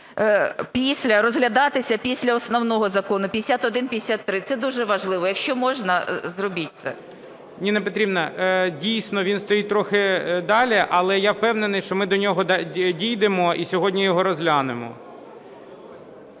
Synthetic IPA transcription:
pʲisʲlʲɐɾɔzɦlʲɐd̪ɑt̪ɪsʲɐpʲisʲlʲɐɔsnɔwnɔɦɔzɐkɔnʊpʲijesʲat̪ɔd̪ɪnpʲij̪ʲesʲat̪ːɾɪt̪sɛd̪uʒɛʋɐʒlˠɪʋɔjɐkʃt͡ʃɔmɔʒnɐzrɔbʲit̚ʲt̪sɛ̰ | nʲinepɔt̪ɾʲibnɐdʲijsʲnɔʋʲinst̪ɔjit̪ɾɔxɪd̪ɑlʲɪʔɐlˠɛjawpɛwnenɪjʃt͡ʃɔmɪd̪ɔnʲɔɦɔdʲijd̪emɔisʲɔɦɔdʲnʲijɔɦɔɾɔzɦlʲanɪmɔ̰

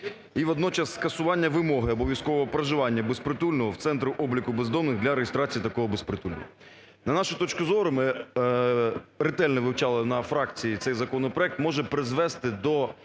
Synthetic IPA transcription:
iʋɔd̪nɔt͡ʃɐsːkɐsʊʋɑnʲːɐʋɪmɔɦɪɔbɔʋʲjɐskɔʋɔɦɔpɾɐʒɪʋɑnʲːɐbespɾɪt̪ulʲnɔɦɔwt̪sɛnt̪ɾʊʔɔblʲikʊbezd̪ɔmnɪɣd̪lʲɐɾeɦɪst̪ɾɑt͡sʲijit̪ɐkɔɦɔbespɾɪt̪ulʲnɔ̰ɦɔ | nɐnɑʃɪt̪ɔt͡ʃkʊzɔɾʊmɪ | ɾɪt̪ɛlʲnɛʋɪwt͡ʃɑlˠɐnɐfɾɑkt͡sʲijit̪sɛjzɐkɔnɔpɾɔɛk̚t̪mɔʒɛpɾɪzʋɛst̪ɪd̪ɔ

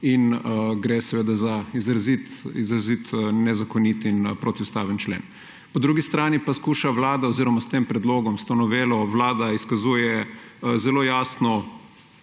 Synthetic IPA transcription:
inɡɾeːsɛʋeːd̪azaizɾazit̪izɾazit̪nɛzakɔnit̪inpɾot̪iust̪aːʋənt͡ʃlḛːn | pɔd̪ɾuɡist̪ɾaːnipaskuːʃaʋlaːd̪aɔziːɾɔmast̪eːmpɾɛd̪loːɡɔmst̪onɔʋeːlɔʋlaːd̪aiskazuːjɛzɛloːjaːsnɔ

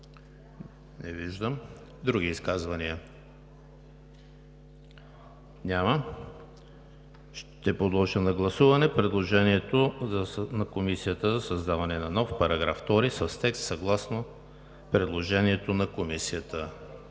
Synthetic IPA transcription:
nɛviʒd̪əm | d̪ɾuɡ̟iːskazvɐniə | nʲamə | ʃt̪ɛpod̪lˠɔʒənɐɡlˠɐsuvɐnɛpɾɛd̪lˠoʒɛniɛt̪oznɐkomisijət̪əzɐsɐzd̪avɐnɛnɐnɔfpɐɾɐɡɾa̰ft̪ɔɾisəst̪ɛkst̪sɐɡlˠasno | pɾɛd̪lˠoʒɛniɛt̪onɐkomisijət̪ə

